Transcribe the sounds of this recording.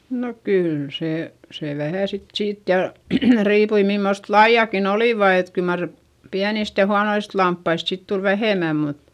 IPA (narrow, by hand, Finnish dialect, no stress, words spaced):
no kyːl seˑ se ʋæhæˑ sit siːt jɑ riːpui mimːost lɑij̆ɑkin oliˑʋɑ et kyl mɑr piænist jɑ huɑnoist lɑmpːɑist sit tul ʋæheˑmæ mut